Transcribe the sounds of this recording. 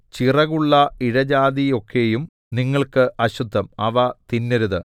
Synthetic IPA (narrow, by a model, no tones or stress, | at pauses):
t͡ɕirɐɣuɭːɐiɽɐd͡ʑaːðijo̞kːe̞jum | niŋːɐɭkɨʔɐɕud̪ʱːɐmɐʋɐt̪inːeɾuðɨ